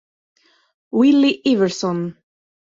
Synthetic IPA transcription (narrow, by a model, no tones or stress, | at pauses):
wɪliʔivəɹsɔn